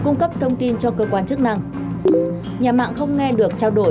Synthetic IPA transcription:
kʊ˧ŋ͡mkə˦˥p̚t̪ʰə˧wŋ͡mt̪i˧nt͡ɕɔ˧kəː˧kwaː˧nt͡ɕɨ˦˥ək̚na˧ŋ | ɲaː˨˩ma̰ː˧˨ŋxə˧wŋ͡mŋɛ˧ɗɨ˨˩ək̚t͡ɕaː˧wɗo̰˧˩

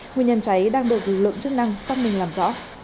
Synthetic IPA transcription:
ŋu˨˩əɲə˨˩nt͡ɕa˨˦jɗaː˧ŋɗɨ˨˩ək̚lɨ˨˩k̚lɨ̰˧˨əŋt͡ɕɨ˦˥k̚na˧ŋsaː˧wŋ͡m̚mï˨˩ŋlaː˨˩mzɔ̰˧˥

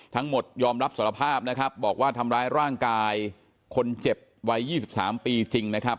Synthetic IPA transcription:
t̪ʰa˦˥ŋmo˨˩t̪̚jɔː˧mɾa˦˥p̚su˩˦˥ɾa˧pʰaː˥˩p̚na˦˥kʰa˦˥p̚bɔː˨˩k̚waː˥˩t̪ʰa˧mɾaː˦˥jɾaː˥˩ŋkaː˧j | kʰo˧nt͡ɕe˨˩p̚wa˦˥jjiː˥˩si˨˩p̚sa̰ː˩˦mpiː˧t͡ɕi˧ŋna˦˥kʰa˦˥p̚

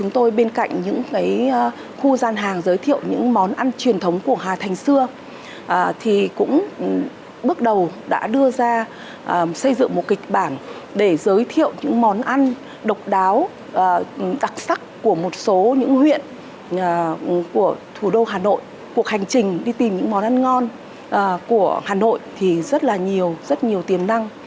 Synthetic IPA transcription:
t͡ɕʊ˨˦ŋ͡mt̪o˧jɓe˧nka̰˧˨jŋ̟ɲɨ̰˧˥ŋkaː˨˦j | xu˧zaː˧nɦaː˨˩ŋzəː˨˦jt̪ʰḭ˧˨əwɲɨ̰˧˥ŋmɔ˨˦nʔa˧nt͡ɕwi˨˩ənt̪ʰə˨˦wŋ͡mku˧˩əɦaː˨˩t̪ʰa˨˩jŋ̟sɨ˧ə | ʔt̪ʰi˨˩kʊ̰˧˥ŋ͡m | ɓɨ˦˥ək̚ɗə˨˩wɗa̰ː˧˥ɗɨ˧əzaː˧ | ʔsə˧jzɨ̰˧˨ŋmo˨˩t̚kï˨˩k̟̚ɓaː˧˩n | ɗe˧˩zəː˨˦jt̪ʰḭ˧˨əwɲɨ̰˧˥ŋmɔ˨˦nʔa˧n | ɗə˨˩wk͡p̚ɗaː˨˦wː | ɗa˨˩k̚sa˦˥kːu˧˩əmo˨˩t̚so˨˦ɲɨ̰˧˥ŋhwḭ˧˨ənː˨˩ | ku˧˩ət̪ʰu˧˩ɗo˧ɦaː˨˩no̰˧˨jʔ | ku˨˩ək̚ha˨˩jŋ̟t͡ɕï˨˩ŋ̟ɗi˧t̪i˨˩mɲɨ̰˧˥ŋmɔ˨˦nʔa˧nŋɔ˧n | ʔːku˧˩əhaː˨˩no̰˧˨jt̪ʰi˨˩zə˦˥t̚laː˨˩ɲi˨˩əwzə˦˥t̚ɲi˨˩əwt̪i˨˩ənːa˧ŋ

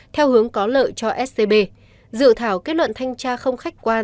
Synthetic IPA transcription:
t̪ʰɛ˧wɦɨ˨˦əŋkɔ˨˦lə̰ː˧˨jt͡ɕɔ˧ʔɛ˦˥s̚t̪e˧ɓe˧ | zɨ̰˧˨ət̪ʰaː˧˩wke˦˥t̚lwə̰˧˨nt̪ʰa˧jŋ̟t͡ɕaː˧xə˧wŋ͡mxa˦˥jk̟̚kwaː˧

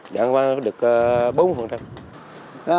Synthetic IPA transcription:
ɗa̰ː˧˩ŋvaː˧˦ɗɨ˨˩ək̚ːɓo˨˦n˧˩fə˨˩ŋt͡ɕa˧m

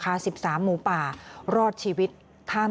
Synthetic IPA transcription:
kʰaː˧˥si˨˩p̚saː˩˦mːuː˨˩˦paː˨˩ɾɔː˥˩t̪̚t͡ɕʰiː˧wi˦˥t̪̚ʰːaː˥˩

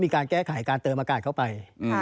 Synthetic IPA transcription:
miː˧kaː˧nkɛː˥˩kʰa˩˦jkaː˧nt̪ɤː˧mʔaː˧kaː˨˩t̪̚ʰwpa˧j

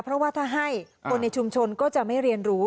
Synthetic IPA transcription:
pʰɾɔ˦˥waː˥˩t̪ʰaː˥˩ɦa˥˩j | kʰo˧nːa˧jt͡ɕʰu˧mt͡ɕʰo˧nkɔː˥˩t͡ɕa˨˩ma˥˩jɾi˧ənɾuː˦˥

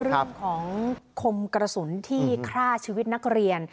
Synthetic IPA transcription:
ɾɯ˥˩˧ŋkʰɔː˩˦ŋkʰo˧mkɾa˧su˩˦nt̪ʰiː˥˩kʰɾaː˥˩t͡ɕʰiː˧wi˦t̪̚na˦˥k̚ɾi˧ən

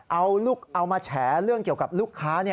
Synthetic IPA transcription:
ʔa˧wluː˥˩k̚ʔa˧wmaː˧t͡ɕʰɛː˩˦ɾɯ˥˩əŋki˨˩əwka˨˩p̚luː˥˩kʰːaː˦˥ni˥˩ə

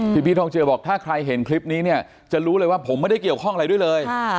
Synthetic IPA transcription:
pʰiː˧˩pʰiː˥˩t̪ɔː˧ŋt͡ɕɤː˧bɔː˨˩k̚t̪ʰaː˥˩kʰɾa˧jɦe˩˦nkʰli˦˥p̚niː˦˥ni˥˩ɐ | t͡ɕa˨˩ɾuː˦˥lɤː˧jwaː˥˩pʰo˩˦ma˥˩jda˥˩jki˨˩əwkʰɔ˥˩ŋa˧ɾa˧jdu˥˩jlɤː˧j

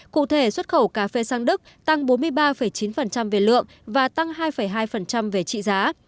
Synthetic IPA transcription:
kṵ˧˨t̪ʰe˧˩swə˦˥t̚xə˧˩wkaː˨˦fe˧saː˧ŋɗɨ˦˥k̚t̪a˧ŋɓo˨˦nmɨ˧əjɓaː˧fə˨˩jt͡ɕi˨˦nfə˨˩nt͡ɕa˧mve˨˩lɨ̰˧˨əŋʔvaː˨˩t̪a˧ŋɦaː˧jfə˧˩jɦaː˧jfə˨˩nt͡ɕa˧mve˨˩t͡ɕḭ˧˨zaː˨˦

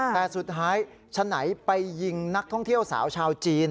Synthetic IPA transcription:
t̪ɛː˨˩su˨˩t̪̚ʰːaː˦˥j | t͡ɕʰa˧na˩˦jpa˧jːi˧ŋna˦˥k̚t̪ʰɔ˥˩ŋt̪ʰi˥˩əwsa̰ː˩˦wt͡ɕʰaː˧wt͡ɕiː˧n

